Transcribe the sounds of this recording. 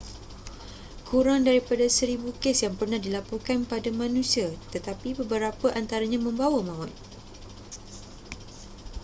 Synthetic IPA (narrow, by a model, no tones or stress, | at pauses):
kʰuɾaŋdaɾipadasəɾibukesjaŋpərnahdilapurkanpadamãnũsiat̪ət̪apibəbəɾapaʔant̪aɾaɲãmə̃mbawamãɔt̪̚